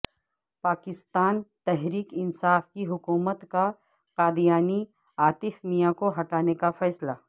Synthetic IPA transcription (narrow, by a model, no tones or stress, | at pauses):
paːkɪst̪aːnt̪ɛɦɾiːkɪnsaːfkiɦʊkuːmət̪ka | qaːd̪ijaːni | aːt̪ɪfmijakoɦɐʈaːnekafɛːsla